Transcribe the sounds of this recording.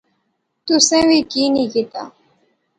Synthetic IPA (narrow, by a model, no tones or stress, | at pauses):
t̪ʊsẽːʋiːkiːnĩːkit̪a̰ː